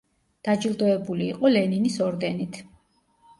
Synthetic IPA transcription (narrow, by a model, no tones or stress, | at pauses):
d̪̥ad͡ʒilˠd̪ɔɛbuliːqʼɔlɛninisɔɾd̪ɛnit̪ʰ